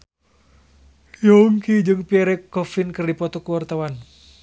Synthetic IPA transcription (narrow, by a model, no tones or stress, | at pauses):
jɔŋkid͡ʒɨŋpiɛɾɛkɔfinkɨrdipɔt̪ɔkəwart̪awan